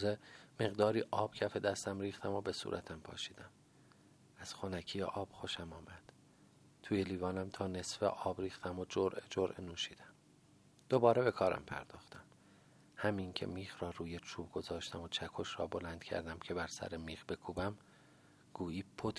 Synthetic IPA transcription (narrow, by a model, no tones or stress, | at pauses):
zeme̞ɣd̪ɒːɾiːʔɒːb̥cʰæfe̞d̪æst̪æmɾiːxt̪ʰæmo̞be̞sṵːɾʔæt̪ʰæmpʰɒ̰ːʃiːd̪̥æm | æz̥xonækʰiːjḛʔɒːb̥xoʃæmɒːmæd̪̥ | t̪ʰuːjeliːvɒːnæmt̪ʰɒːne̞sfḛʔɒːbɾiːxt̪ʰæmod͡ʒoɾʔed͡ʒoɾʔenuːʃiːd̪æm | d̪̥obɒːɾebe̞kʰɒːɾæ̰mpʰæ̰ɾd̪ɒːxt̪æm | hæmiŋcʰe̞̰miːxɾɒːɾuːjet͡ʃʰuːb̚ɡo̞zɒːʃt̪æmot͡ʃʰækʰoʃɾɒ̰ːbo̞lænd̪̥cʲʰæ̰ɾd̪æmcʰe̞bæɾsæ̰ɾemiːxbe̞kʰuːbæm | ɡ̥uːiːpʰot̪ʰ